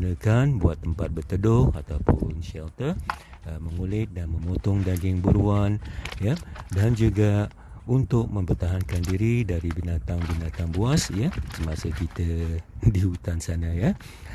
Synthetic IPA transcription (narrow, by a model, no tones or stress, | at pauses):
nəkanbuat̪ːəmpat̪̚bərt̪ədʊat̪awpʊnʃɛlt̪ər | əməŋulɪt̪̚danmə̃mot̪ɔŋdaɡɪŋbəɾuanjadand͡ʒuɡa | unt̪ʊk̚mə̃mpərt̪aɦankandiɾidaɾibinat̪aŋbinat̪aŋbuasjasəmasəkit̪ədiut̪ansanaja